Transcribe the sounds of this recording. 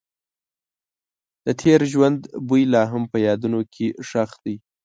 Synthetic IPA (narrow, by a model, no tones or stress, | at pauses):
d̪̥ət̪ʰeɾʒwand̪bujlɑɦampəjɑd̪unokʰeʂaxd̪əj